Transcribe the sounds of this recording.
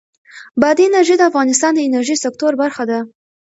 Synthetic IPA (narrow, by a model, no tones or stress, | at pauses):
bɑd̪iɪnaɾʒid̪əafɣɑnɪst̪ɑnd̪əɪnaɾʒisɪk̚t̪oɾbaɾxad̪a